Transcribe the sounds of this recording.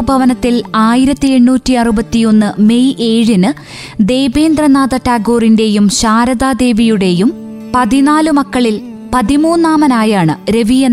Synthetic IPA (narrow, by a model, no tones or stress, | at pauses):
bʱɐʋɐnɐt̪ːilaːjiɾɐt̪ːie̞ɳːuːtːiɐrubɐt̪ːijo̞nːɨme̞jʔe̞ːɻinɨ | d̪e̞ːbeːnd̪rɐnaːðɐʈːaːɡoːrinde̞jumɕaːɾɐðaːd̪e̞ːʋijuɽe̞jum | pɐðinaːlɨmɐkːɐɭil | pɐðimuːnːaːmɐnaːjaːɳɨɾe̞ʋijenː